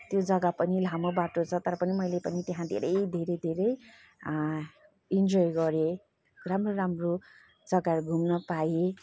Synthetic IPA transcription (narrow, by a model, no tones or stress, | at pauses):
t̪jod͡zʌɡapʌnilʱamobaʈot͡sʰʌt̪ʌɾʌpʌnimʌjlepʌnit̪eɦãd̪ʱḛɾʌjd̪ʱeɾʌjd̪ʱeɾʌj | ind͡zojɡʌɾe | ramroɾamro | d͡zʌɡaɾɡʱumnʌpae